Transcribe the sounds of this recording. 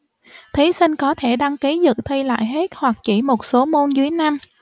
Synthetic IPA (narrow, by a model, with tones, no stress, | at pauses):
t̪ʰi˨˦sï˧ŋ̟kɔ˨˦t̪ʰe˧˩ɗa˧ŋki˨˦zɨ̰˧˨t̪ʰi˧la̰ː˧˨jɦe˦˥t̚hwa˨˩k̚t͡ɕi˧˩mo˨˩t̚so˨˦mo˧nzɨ˨˦əjna˧m